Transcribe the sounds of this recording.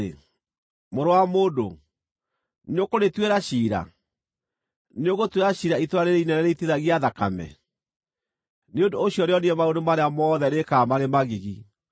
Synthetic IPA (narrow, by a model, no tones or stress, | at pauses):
e | moɾowamodo | neokonetweɾaɕiːɾa̰ | neoɣotweɾaɕiːɾaitoɾaɾeɾeinɛnaɾeiteðaɣiaðakamɛ̰ | neondooɕiɔɾeɔniɛmaodomaɾeamɔðɛnekamaɾemaɣiɣi